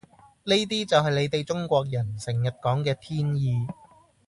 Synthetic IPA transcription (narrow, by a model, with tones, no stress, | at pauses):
ne˥jt̪̬iː˥t͡sɐ˨wɦɐ˨˩jle˨˧jt̪e˨jt͡sʊ˥ŋkʷɔː˧k̚jɐ˨˩nsɪ˨˩ŋjɐ˨t̚kɔː˨˥ŋkɛː˧t̪ʰiː˥njiː˧